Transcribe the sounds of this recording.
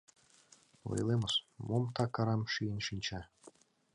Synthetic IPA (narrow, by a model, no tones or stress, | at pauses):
o̰jlˠemɤsmomt̪ɑkɑɾɑmʃijənʃinʲt͡ɕɑ